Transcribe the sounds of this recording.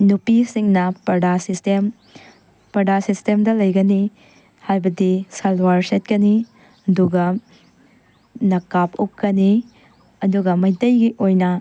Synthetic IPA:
nupisiŋnɐpɐdasistem | pɐdasistemdɐlɐjɡɐni | hajbɐdisɐlwaɾset̚kɐni | ɐduɡɐ | nɐkapukːɐni | ɐduɡɐmɐjtɐjɡiʔojnɐ

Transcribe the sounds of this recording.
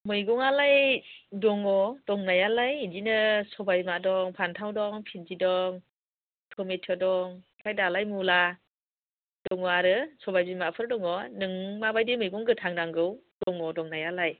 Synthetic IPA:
mɯjɡɔŋalajdɔŋɔd̥ɔŋnajalajdinɯsɔbajimadɔŋpʰantʰawdɔŋpʰit̚zidɔŋ | tʰɔmetʰɔdɔŋ | kʰajdalajmula | d̥ɔŋɔaɾɯsɔbajbimapʰɯɾdɔŋɔnɯŋmabajdimɯjɡuŋɡɯtʰaŋdaŋɡɯwd̥ɔŋɔdɔŋnajalaj

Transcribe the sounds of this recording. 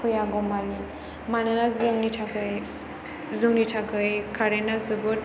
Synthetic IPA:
kʰɯjaɡɔmani | mananazɯŋnitʰakɯj | zuŋnitʰakɯjkʰaɾenazɯɡɯɾ

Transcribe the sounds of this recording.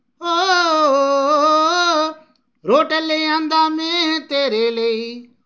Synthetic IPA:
ɦoːo | ɾoːʈeleiːə̃nd̪aːmẽːt̪eːɾeːleiː

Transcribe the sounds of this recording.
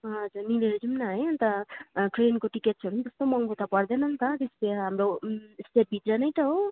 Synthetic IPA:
ɦʌd͡zuɾnileɾʌd͡ʒumnaɦʌjnt̪ʌʈɾenkoʈikeʈ̚sʰʌɾundʌst̪omʌŋɡot̪ʌpʌɾd̪enʌnt̪ʌt̪espeɦamɾosʈep̚bʱit̪ɾʌnʌjt̪ʌɦo

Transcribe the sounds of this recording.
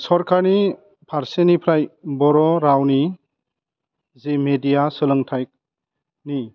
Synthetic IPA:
sɔɾkʰaɾni | pʰaɾsenipʰɾajbɔɾɔɾawni | zemedijasɯlɯŋtʰajk̚ | ni

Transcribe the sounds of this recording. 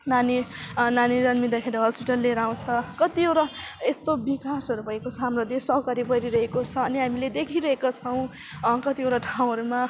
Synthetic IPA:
naninanid͡zʌnmid̪akʰeɾiɦʌspiʈʌlːeɾaw̃t͡sʰʌkʌt̪iewɾa | est̪obikasʌɾubʱʌɦekot͡sʰʌɦamrod̪esʌɦkaɾibʌɾiɾʌɦekot͡sʰʌʌniɦamiled̪ekʰiɾʌɦekot͡sʰʌw̃ | kʌt̪ieɾaʈʰaw̃ɦʌɾuma

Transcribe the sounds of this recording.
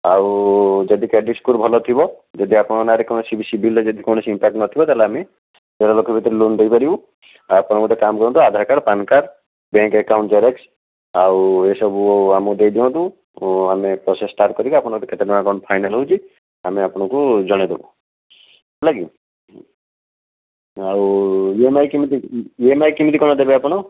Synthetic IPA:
awd͡ʒɔd̪ikeɖiskuɾbʱɔlɔt̪ʰibɔd͡ʒɔd̪iapɔɽ̃ɔnaɾekɔñɔsibisibʱiled͡ʒɔd̪ikoñɔsiimpak̚ʈnɔt̪ʰibɔt̪aleame | d͡ʒeɾalokɔbʱit̪ɔɾilund̪ejpaɾibũ | apɔɽ̃ɔ̃kuʈekamkɔɾɔ̃t̪uad̪ʱaɾkaɾpankaɾ | bẽŋkekawɳʈd͡ʒaɾeks | awesɔbuamɔd̪ejd̪iɔ̃t̪u | amepɾɔsesʈaɾʈ̚kɔɾikiapɔɽ̃kʈ̪eket̪edimakɔnɔpʰajnalɦout͡ʃʰi | ameapɔɽ̃ɔ̃kud͡ʒɔɽ̃ed̪ebɔ | laɡi | awjemajkimit̪iemajkimit̪ikɔñɔd̪ebeapɔɽ̃ɔ

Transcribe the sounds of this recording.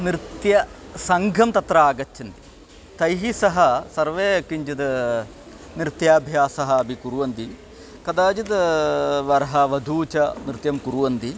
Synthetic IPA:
nɾit̪jɐsɐŋɡʱɐmt̪ɐt̪ɾaaːɡɐt͡ʃːɐnt̪i̥ | t̪ɐjɦisɐɦɐ̆sɐɾʋeːkiɲd͡ʒɐd̪ɐ | nɾt̪jaːbʱjaːsɐɦɐːbʱikuɾuʋɐnd̪i | kɐd̪aːd͡ʒɐd̪ɐʋɐɾɐɦɐʋɐd̪ʱuːt͡ʃɐnɾɨt̪jɐmkuɾuʋɐnd̪i

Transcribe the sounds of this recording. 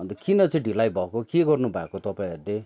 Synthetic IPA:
ʌnd̪ʌkinʌt͡sʌ̃ĩɖʱilajbʱʌkokeɡʌrnubʱakot̪ʌpãĩɦʌrle

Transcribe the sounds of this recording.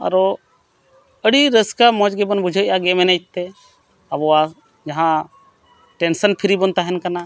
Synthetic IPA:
ə̰ɾo | əɽiɾəskamɔ̃d͡ʒɡebənbʊd͡ʒʱəʔaɡemenət̪ːe | əboa | d͡ʒɐɦã | ʈensənpʰɪɾibənt̪aɦənkəna

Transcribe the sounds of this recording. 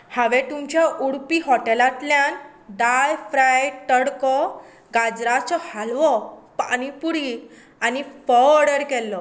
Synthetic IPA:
haʋɛt̪umt͡ɕjaʔuɽpiɦɔʈɛlat̪ljan | d̪ajfɾajʈəɽkɔ | ɡad͡zɾat͡sɔhalʋɔpa̰ɽ̃ipuɽi | anifɔɽəɾkɛlːɔ

